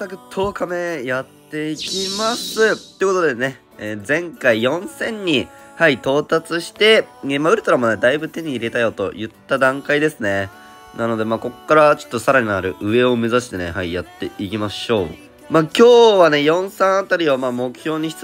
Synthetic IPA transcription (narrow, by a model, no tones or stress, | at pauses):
takɯ̟t̪ʰo̞ːkame̞jat̪ːe̞ikʲimasɨt̪ːojɯko̞t̪o̞d̪ene̞ | ezẽ̞ŋkaijõ̞ɰ̃sẽ̞ɲ̟ːi | hait̪o̞ːt̪at͡sɨɕi̥t̪e̞emaɯ̟ɾɯ̟t̪oɾamo̞ne̞d̪aibɯ̟t̪e̞ɲ̟iːɾe̞t̪ajo̞t̪o̞̰jɯ̟t̪ːad̪ãŋkaid̪e̞sɨne̞ | nano̞d̪e̞maːko̞kːaɾat͡ɕo̥t̪ːo̞saɾaɲ̟inaɾɯ̟ʔɯ̟e̞o̞me̞zaɕi̥t̪e̞ne̞̰haija̰t̪ːe̞ikʲimaɕo̞ː | maːkʲo̞ːβane̞jõ̞ɰ̃sãɰ̃at̪aɾʲiβamaːmo̞kɯ̟̥çʲjo̞ːɲ̟iç̥t͡s